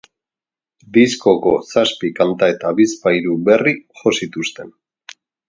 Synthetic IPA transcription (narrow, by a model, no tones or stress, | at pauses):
d̪isko̞ko̞saspikant̪ae̞t̪aβispajɾuβe̞riʝo̞sit̪ust̪e̞n